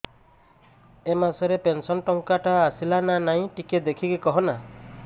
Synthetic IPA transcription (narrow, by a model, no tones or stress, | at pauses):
emasɔɾepensɔnʈɔŋkaʈaːsilananaɦĩʈiked̪ekʰikikɔɦɔna